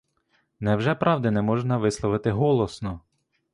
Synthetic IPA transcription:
nɛwʒɛpɾɑwd̪ɪnɛmɔʒnɐʋɪslˠɔʋɪt̪ɪɦɔlˠɔsnɔ

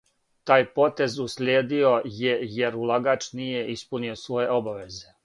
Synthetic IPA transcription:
t̪aːjpo̞t̪e̞zuslʲeːd̪io̞jejeɾulˠaɡaːt͡ʃnije̞ʔispunio̞sʋo̞je̞ʔobaʋe̞ze̞

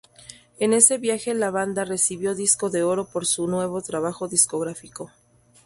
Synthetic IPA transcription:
e̞ne̞se̞βjaxe̞laβand̪are̞siβjo̞ðisko̞ðe̞o̞ɾo̞po̞ɾsunwe̞β̞o̞t̪ɾaβ̞axo̞ðisko̞ɣɾafiko̞

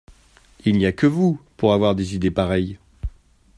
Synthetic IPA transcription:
ilnijakəvupuʁavwaʁd̪ezid̪epaʁɛj

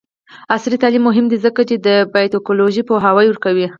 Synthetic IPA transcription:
asɾit̪ɑlimːʊɦɪmd̪izəkat͡ʃed̪əbɑjt̪okoloʒipoɦawəjwəɾkawi

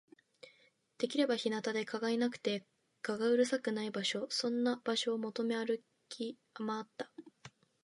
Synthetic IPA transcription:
d̪̥e̞kʲiɾe̞baçinat̪ad̪e̞kʰaɡainakɯ̟̥t̪e̞ | kaɡaɯ̟ɾɯ̟sakɯ̟naibaɕo̞sõ̞nːab̥aɕo̞ːmo̞t̪o̞me̞aɾɯ̟ | kʲʰi | amaːt̪ːḁ

